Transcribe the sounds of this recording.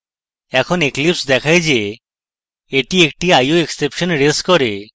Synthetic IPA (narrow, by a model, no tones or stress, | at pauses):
ɛkʰɔneklipsd̪ɛkʰajd͡ʒe | eʈiek̚ʈiajoeksepʃɔnɾeskɔɾe